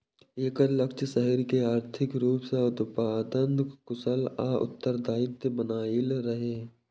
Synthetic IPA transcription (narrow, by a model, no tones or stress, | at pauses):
eːkəɾləkt͡ʃsəɦəɾkeaːɾt̪ʰɪkɾuːpseʊd̪paːd̪ənd̪kʊsəlaːʔʊ̰t̪ːəɾd̪ʱaːɪt̪bənaːilɾəɦeː